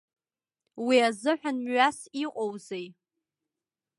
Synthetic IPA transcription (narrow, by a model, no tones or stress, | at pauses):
wiazɨħʷᶣanmɥasiqʼowzej